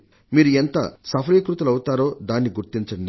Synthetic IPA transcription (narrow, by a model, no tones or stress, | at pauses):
miːɾuent̪ɐ̰sɐpʰɐɾikɾut̪ɐlɐwut̪aːɾo̞ːd̪aːnːiɡuɾt̪iɲt͡ʃɐɳ